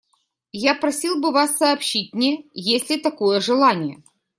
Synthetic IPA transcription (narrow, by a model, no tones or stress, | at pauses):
japɾɐsʲilˠbɨvasːɐːpɕit̚ʲnʲɪjesʲlʲɪt̪ɐkojəʐɨlˠanʲɪjə